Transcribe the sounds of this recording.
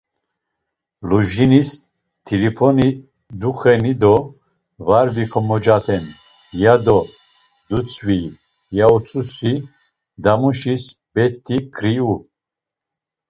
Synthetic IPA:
luʒinis | t̪ʰilifʰɔni | d̪uχɛnid̪ɔ | vaɾviχʰɔmɔd͡ʒat̪ʰɛn | jad̪ɔ | d̪ut͡sʰʼvi | jaut͡sʼusi | d̪amuʃisb̥ɛt̪ʰːikʰɾiu

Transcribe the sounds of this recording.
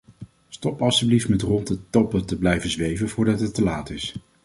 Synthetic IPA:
stɔpɑstybliftmɛtrɔndətɔpətəblɛjvəzʋejvənvʊːɹdɑtɦətːəlaːtɪs

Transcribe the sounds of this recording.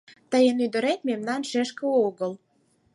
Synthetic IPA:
t̪əjənyd̪ə̆ɾet̪memnɑnʃeʃkəoɣəl

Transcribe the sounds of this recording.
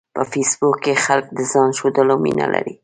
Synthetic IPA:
pəfisbukːexalk̚d̪əzɑnʃod̪əlawmḭna̰lʔa̰ɾi

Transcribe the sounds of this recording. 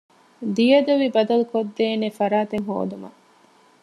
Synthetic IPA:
d̪ijɐd̪ɐʋibɐd̪ɐlukod̪ːeːnefɐɾaːt̪eŋɦo̰ːd̪umɐ̰

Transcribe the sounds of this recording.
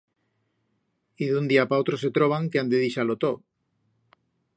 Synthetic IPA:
iðund̪iapaowt̪ɾos̬et̪ɾoβ̞aŋkeand̪eðiʃalot̪o

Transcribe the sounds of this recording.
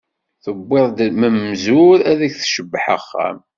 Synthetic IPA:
θəbːɪðˤd̪məmzʊɾæðæçθʃəbːħə̰χːæ̰m

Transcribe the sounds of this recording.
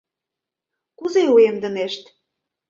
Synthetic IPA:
kuzeuemd̪ə̆neʃt̪

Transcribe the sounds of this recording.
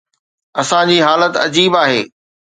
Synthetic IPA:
ɐsãd͡ʑiːɦaːlət̪ɐd͡ʑiːbaːɦḛː

